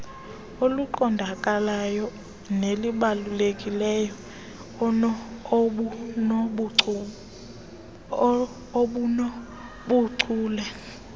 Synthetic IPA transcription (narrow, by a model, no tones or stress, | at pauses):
oluǃɔndʱakʼalajɔ | neliɓalulekʼilɛjɔ | n | ɓun | oɓunɔ | ɓuǀuːlɛ